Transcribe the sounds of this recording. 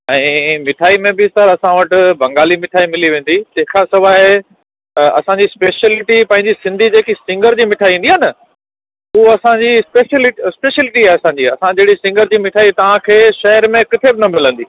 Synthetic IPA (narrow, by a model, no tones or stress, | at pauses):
ɛ̃ːmɪʈʰaːimẽbɪɪst̪əɾɐsãʋɐʈ̆bʱɐ̃ŋɡaːlimɪʈʰaːimɪliʋẽːn̆d̪it̪ɐ̃ɦɪ̃kʰasɐʋaːɪ | ɐ̰sãɲd͡ʑispeːʃəlɪʈipɐ̃ɦɪ̃ɲd͡ʑisɪ̃nd̪ʱid͡ʑeːkisɪ̃ŋɡəɾd͡ʑiːmɪʈʰaːĩːndiɦaːnɐ | uɐsãɲd͡ʑispeːʃlɪʈspeːʃəlɪʈiaːɪɐsãːɲd͡ʑiɐsãd͡ʑeːɽisɪ̃ŋɡəɾd͡ʑiːmɪʈʰaːit̪ɐʋ̤ãkʰeːʃɐɦəɾmẽkɪt̪ʰebɪnɐmɪlə̃nd̪iː